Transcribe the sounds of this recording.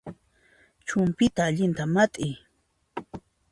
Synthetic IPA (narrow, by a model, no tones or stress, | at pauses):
t͡ʃʊmpɪt̪aːʎɪnt̪amat̪ʼɪj